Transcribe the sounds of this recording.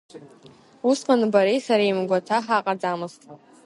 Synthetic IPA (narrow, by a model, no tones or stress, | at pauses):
usqʼanɨbaɾejsaɾamɡʷatʰaħaːqʼad͡zamɨstʰʼa